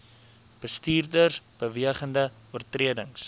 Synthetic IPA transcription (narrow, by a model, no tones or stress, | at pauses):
b̥əstiːrdərsb̥əviəχəndə | uərtriədəŋs